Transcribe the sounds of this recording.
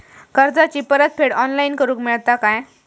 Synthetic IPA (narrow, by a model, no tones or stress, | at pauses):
kəɾd͡zat͡ɕipəɾət̪̚pʰeɽɔnlainkəɾũːkmiɭt̪akaj